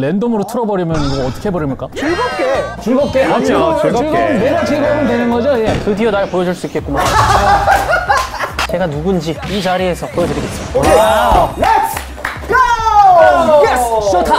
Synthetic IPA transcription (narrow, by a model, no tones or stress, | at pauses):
le̞ndomɯɾotʰɯɾʌbʌɾimjʌnmoʌt͈ɯ̥kʰe̞bʌɾimɯɭk͈at͡ɕuɡʌp̚k͈et͡ɕuɭɡʌp̚k͈eat͡ɕouɡɾɡʌɯnmeɾɯt͡ɕiɭɡoɡɯndwenɯnɡʌd͡ʑojetɯdionaɭpojʌd͡ʑuɭs͈uik͈e̞t̚k͈uma | t͡ɕe̞ɡanuɡund͡ʑiid͡ʑaɾie̞sʰʌpojʌdɯɾiɡes͈ii | les | ɡo | tʰa